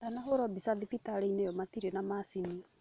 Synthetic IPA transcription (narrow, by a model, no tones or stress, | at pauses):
anahoɾɔbisaðipitaɾeinejɔmatiɾenamasini